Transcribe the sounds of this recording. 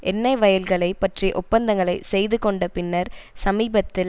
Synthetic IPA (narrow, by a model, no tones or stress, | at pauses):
ʔɛnːɐɪʋɐjɐlɣɐɭɐɪpɐʈriʔʊpːɐnd̪ɐŋɡɐɭɐɪsɛjðɯkɔɳɖɐpɪnːɐɾsɐmiːbɐt̪ːɪl